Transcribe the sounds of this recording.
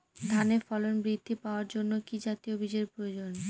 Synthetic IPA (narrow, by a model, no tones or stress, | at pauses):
d̪ʱanefɔlonbɾid̪ʱːipaoaɾd͡ʑonːokid͡ʑat̪iobid͡ʑeɾpɾood͡ʑon